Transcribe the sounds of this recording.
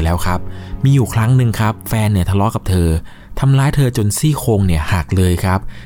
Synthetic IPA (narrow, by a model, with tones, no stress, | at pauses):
lɛː˦˥wkʰɾa˦˥p̚miː˧juː˨˩kʰɾa˦˥ŋnɯ˧ŋkʰa˦˥p̚fɛː˧nːi˥˩ɐt̪ʰa˧lɔː˦˥ka˨˩p̚t̪ʰɤː˧ | t̪ʰa˧mlaː˦˥jt̪ʰɤː˧t͡ɕo˧nsiː˥˩kʰoː˧ŋni˥˩ɐhaː˨˩k̚lɤː˧jkʰɾa˦˥p̚